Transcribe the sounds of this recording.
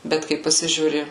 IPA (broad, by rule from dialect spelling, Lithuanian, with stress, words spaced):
ˈbʲɛt kɐɪ pɐˈsʲɪʒʲuːrʲɪ